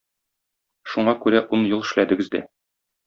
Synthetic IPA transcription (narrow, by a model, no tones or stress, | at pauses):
ʃuɴɑkʉɾæʔunjulˠɘ̆ʃlæd̪ɘ̆ɡɘzd̪æ̰